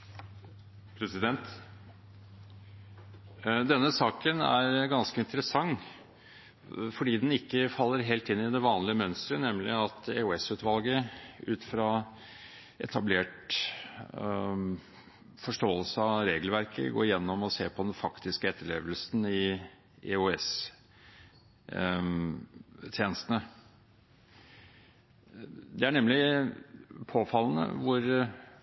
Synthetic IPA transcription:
pʰɾɛsɪd̪ɛnt̪ | d̪ɛnːəsɑːkənæ̰ɾɡɑnskəɪnt̪əɾəsɑŋː | fɔɖiːd̪ɛnɪkːəfɑlːəɾɦeːlt̪ɪnːɪd̪ɛʋɑːnlɪəmœnst̪ɾənɛmlɪɑt̪eʊɛsʉːt̪ʋɑlɡəʉ̰ːt̪fɾɑ | ɛ̰t̪ʰɑbleːʈ | fɔʂʈoːəlsəɑɾeːɡəlʋæɾkʰə̰ɡo̰ːɾjɛnːɔmɔseːpʰɔd̪ɛnfɑkt̪ɪskəɛt̪ːəɭeːʋəlsn̩ɪ | ʔḛʉɛs | t̪ʰjeːnəst̪ənə | d̪ɛæɳɛmlɪ | pʰoːfɑlːn̩ə̰ʋʊɾ

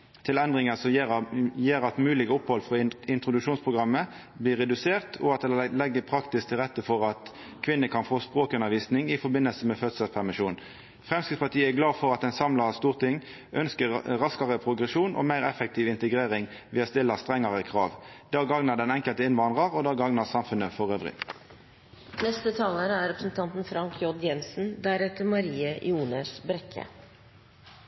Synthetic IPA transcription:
t̪ʰɪlɛnd̪ʁɪŋəsɔmjeːʁɑt̪mʉːlɪɡəʊphɔlfʁɔɪnt̪ʁʊd̪ʉʃuːnspʰʁʊɡʁɑmːə | bliːʁɛd̪ʉseːʁt̪ʰɔɑt̪̚d̪ɛlɛɡːəpʰɾɑkt̪ɪsk̚t̪ʰɪlʁɛt̪ːəfɔʁɑt̪ | kʰʋɪnːəkʰɑnfoːspʁoːkʉnəʋiːsnɪŋɪfɔɾbɪnːəlsəmɛføːd̪səspʰæʁmɪʃuːn | fʁɛmskʁɪt̪spʰɑt̪iːəɛɡlɑːfɔʁɑt̪d̪ɛnsɑmlɑʁst̪uːʁt̪ʰɪŋː | ʔœnskəʁʁɑskɑʁəpʰʁʊɡʁɛʃuːnʔo̰ːmæɪʁɛfɛk̚t̪ʰiːʋɪnt̪əɡʁeːʁɪŋ | ʋiːɑst̪ɪlːəst̪ʁɛŋːɑʁəkʰʁɑːʋd̪̥ɑːɡɑŋnɑd̪ɛnɛŋkəlt̪əɪnʋɑnʁəʁod̪ɑːɡɑŋnɑsɑmfʉnəfɔʁøːʋʁɪ̰ | nɛst̪ət̪ʰɑːləɾəæɾɾɛpɾəsn̩t̪ʰɑnt̪n̩fɾɑŋkʰjɔɖjɛnsn̩d̪æɾɛt̪əmɑɾiːəjuːnəsbɾɛkʰə̰

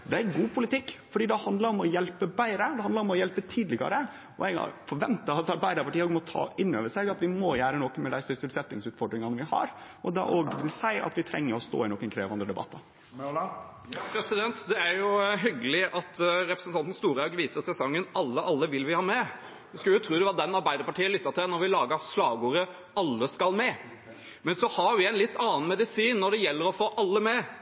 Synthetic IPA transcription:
d̪ɛæɾɡuːpʰʊlɪt̪ɪkːfɔɖiːd̪ɛhɑnd̪ləɾɔmɔjɛlpəbæɪɾəd̪ɛhɑnəɾɔmɔjɛlpət̪ʰiːd̪lɪɡɑ̰ɾə | ɔ̰ɛɡɑ̰fɔɾʋɛnt̪əɑt̪ɑɾbæɪd̪əɾpɑʈiːəɔɡmɔt̪ʰɑ̰ːʔɪnːø̰ːʋəʂæɪɡɑt̪ʋɪmojæːɾənɔk̪ːmɛd̪æɪsʏsɪlsɛt̪ːnɪŋsʉːt̪fɔɖɾɪŋɑnəʋɪhɑ̰ɾʔɔd̪ɑ̰ʔoːɡt̪ʰɪlsæɪʔɑ̰t̪ʋɪt̪ʰɾɛ̰ŋːəɾɔst̪o̰ːɪnɔkːənkʰɾḛːʋɑnd̪ɾəd̪ɛbɑ̰t̪ːɑ | pʰɾɛsɪd̪ɛnt̪d̪ɛæɾjʊɦʏɡəlɪʔɑt̪ɾɛpɾəsənt̪ʰɑnt̪n̩st̪uːɾɑʉɡʋiːsəɾsɛsɔŋːənɑlːəʔɑlːəʋɪlʋɪhɑːmɛ | ɪskɑljʊt̪ʰɾuːd̪ɛʋɑd̪ɛnɑɾbæɪd̪əɾpɑʈʰiːənlʏt̪ːɑt̪ʰɪɛnɔɾʋɪlɑːɡəslɑːʋɡuːɾə | ɑlːəskɑlmɛ | mɛnsɔhɑɾʋɪɛɪnlɪt̪ʰːɑːnmɛd̪ɪsiːnːɔɖ̪ɛjɛlːəɾɔfoːʔɑlːəmɛ

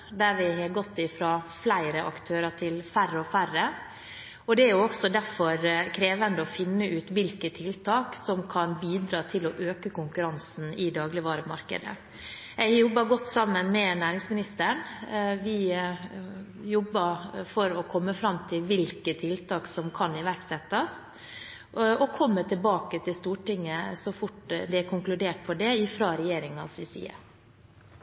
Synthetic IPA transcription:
d̪æɾʋɪhɑɡɔt̪ːɪfɾɑːflæɪɾəʔɑ̰kt̪ʰøːɾɑʈʰɪlfærːəɔfærə | ɔd̪ɛæɾjʊɔksɔd̪æɾfɔɾkʰɾeːʋənd̪əɔfɪnːəʔʉːt̪ʋɪlkət̪ʰɪlt̪ʰɑːksɔmkʰɑnbiːd̪ɾɑːt̪ʰɪlɔʔøːkəkʊŋkʉɾɑnsn̩ɪd̪ɑːɡlɪʋɑːɾəpmɑ̰ɾkə̰d̪ə̰ | jæɪɡjɔbːəɡɔt̪ːsɑmːənmɛnæːɾɪŋsmɪnɪst̪əɳʋɪ | jɔbːəɾfɔɾɔkʰɔmːəfɾɑmt̪ʰɪlʋɪlkət̪ʰɪlt̪ʰɑːksɔmkʰɑnɪʋæɾksɛt̪ːɑst̪ | ɔkʰɔmːət̪ʰɪlbɑːkət̪ɪlst̪uːʈɪŋːəsɔfʊʈd̪ɛækʰʊŋklʉd̪eːʈ̚pʰɔd̪ɛɪfɾɑːɾɛjeːɾɪŋɑsɪsḭːə̰

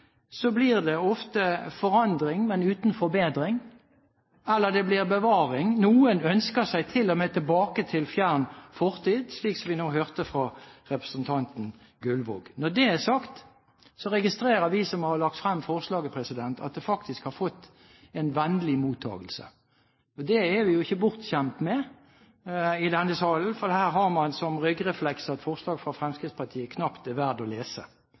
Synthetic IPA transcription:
sɔbliːʁd̪ɛɔft̪əfɔʁɑnd̪ʁɪŋmɛnʉːt̪n̩fɔɾbeːd̪ʁɪŋ | ɛlːəd̪ɛblɪʁbəʋɑːʁɪŋnuːənœnskəsæɪt̪ʰɪlːɔmeːt̪ʰəlbɑːkət̪ʰɪlfjæʁnfɔʁt̪ʰiːd̪sliːksɔmʋɪnoːhøːʁt̪əfʁɑʁɛpɾəsənt̪ʰɑnt̪n̩ | ɡʉlʋo̰ːɡnɔʁd̪ɛæsɑkt̪ | sɔɾɛɡɪst̪ɾeːɾəʋɪsɔmhɑɾlɑkt̪fɾɛmːfɔʁslɑːɡəpʰɾɛsɪd̪ɛnt̪ʰɑ̰t̪̚d̪ɛfɑkt̪ɪskhɑɾfɔt̪ː | ɛnʋɛnəlɪmuːt̪ʰːɑ̰ːɡəlsə̰ | ɔd̪ɛæɾʋɪjʊɪçːəbʊʁt̪çɛmt̪mɛ | ɪd̪ɛnːəsɑːln̩fɔɾd̪ɛhæːɾɦɑʁmɑnsɔmʁʏɡʁɛflɛksɑt̪fɔʁslɑːɡfʁɑfɾɛmskɾɪt̪spʰɑʁt̪ʰiːəkʰnɑpt̪ɛʋæʁd̪ɔleːsə

